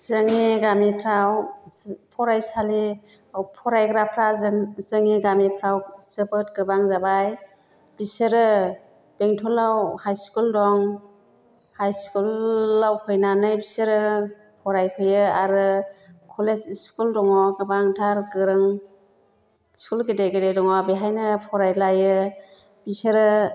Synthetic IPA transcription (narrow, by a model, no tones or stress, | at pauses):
zɯŋeɡamipʰɾaw | pʰɔɾajsali | pʰɔɾajɡɾapʰɾazzɯŋeɡamipʰɾawsɯbɯtɡɯbaŋzabaj | b̥isɯɾɯ | b̥eŋtʰɔlawhajskuldɔŋ | hajskulːawkʰɯjnanɯjbisɯɾɯ | pʰɔɾajpʰɯjɯaɾɯkʰɔlesiskuldɔŋɔɡɯbaŋtʰaɾɡɯɾɯŋ | skulɡedeɡedejdɔŋɔbeɦajnɯpʰɔɾajlajɯ | b̥isɯɾɯ